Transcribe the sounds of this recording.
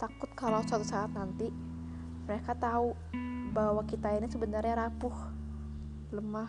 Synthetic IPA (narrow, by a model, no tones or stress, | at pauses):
t̪akʊt̪̚kalawsat̪usaːt̪̚nant̪i | məɾekat̪au | bawakit̪ainisəbənarɲaɾapʊh | ləmah